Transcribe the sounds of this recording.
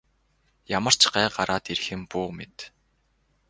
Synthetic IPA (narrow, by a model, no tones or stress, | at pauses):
jamə̆r̥t͡ɕɢæːɢaɾʔaːt̪irxɘ̆mpuːmḛt̪